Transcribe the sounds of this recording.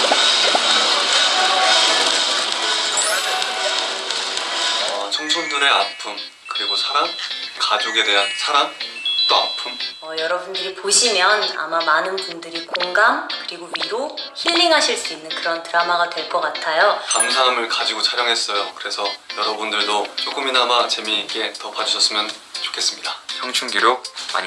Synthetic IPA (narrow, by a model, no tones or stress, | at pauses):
ʌt͡ɕʰoŋsʰondɯɾe̞apʰum | kɯɾiɡosʰaɾaŋkad͡ʑoɡe̞de̞ɦansʰaɾant͈oa̰pʰumʌjʌɾʌbundɯɾipoɕʰimjʌna̰mamanɯnpundɯɾikoŋɡamkɯɾiɡoɥiɾoçiʎːiŋɦaɕʰiɭs͈uinːɯnkɯɾʌntɯɾamaɡadwe̞ɭk͈ʌk͈atʰajokamsʰamɯɭkad͡ʑiɡot͡ɕʰaɾjʌŋɦe̞s͈ʌjokɯɾe̞sʰʌjʌɾʌbundɯɭdot͡ɕ͈ʰok͈ʰɯminamat͡ɕe̞mik͈e̞tʌpʰad͡ʑuɕʰʌs͈ɯmjʌnt͡ɕo̥kʰe̞s͈ɯmɲidat͡ɕʰʌŋt͡ɕʰuŋɡiɾoma̰ɲ